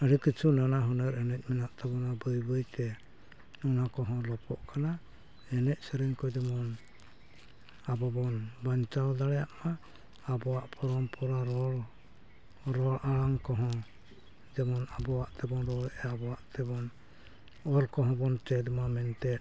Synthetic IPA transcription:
aɾikɯt͡ʃʰunanaɦɔnaɾɛnɛc̚ˀmɛnaʔt̪ʰabɔnabɯjbɯjt̪ɛ | nɔnakɔɦɔ̃lɔpʰɔ̰ʔkʰana | ɛnɛc̚sɛɾɛŋkɔd͡ʒɛmɔn | abɔbɔnbaɲt͡ʃawd̪aɽɛjaʔmaː | bɔaʔpʰɔɾɔmpʰɔɾaɾɔ | ɾɔɾalaŋkɔɦɔ̃ | d͡ʒɛmɔnabɔwaʔt̪ɛbɔnɾɔɾɛʔɛabɔwaʔt̪ɛbɔn | ɔɾkɔɦɔ̃bɔntɛd̪mamɛnt̪ɛ

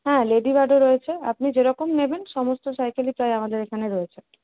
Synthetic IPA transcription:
ɦɛ̃leɖibaɾɖoɾɔjet͡ɕʰea̰p̚nid͡ʑeɾɔkomnebenʃɔmost̪osajkalipɾajamad̪eɾekʰaneɾɔet͡ɕʰen

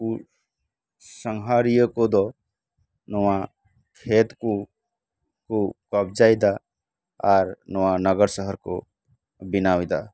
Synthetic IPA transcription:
u | səŋɦaːɾijəkod̪ɔ | nɔwa | kʰeːt̪ko | kokəb̚d͡ʒaːid̪a | aɾnɔwanəɡəɾsəɦəɾko̰ | bɪnaːwid̪a̰

